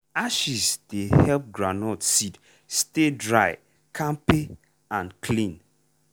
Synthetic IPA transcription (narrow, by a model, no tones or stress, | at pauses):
aʃisdehɛlp̚ɡɹanɔtsit | stedɹaɪ | kʰãmpe | ãnkʰlĩn